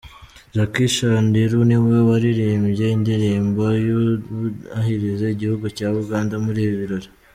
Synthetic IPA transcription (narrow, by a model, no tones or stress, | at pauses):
ʒakiʃandiɾuniβwaβaɾiɾiːmbje̞indiɾiːmbojo | ahiɾize̞iɟihuɡucaːuɡaːndamuɾiːβiβiɾo̞ɾe